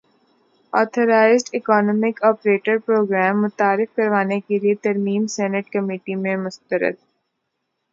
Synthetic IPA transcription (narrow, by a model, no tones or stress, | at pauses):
ɔːt̪ʰəɾaːɪzɖɪkɔːnɔːmɪkɔːpɾeːʈəɾpɾoːɡɾɛːmːʊt̪aːɾɪfkɐɾʋaːnekeliet̪ɐɾmiːmsɛːnəʈkɐmiːʈimẽmʊst̪əɾə̰d̪̚